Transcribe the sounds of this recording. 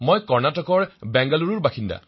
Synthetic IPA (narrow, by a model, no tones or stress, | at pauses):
mojkɔɹnatɔkɔɹbɛŋɡaluɹuɹbaxinda̰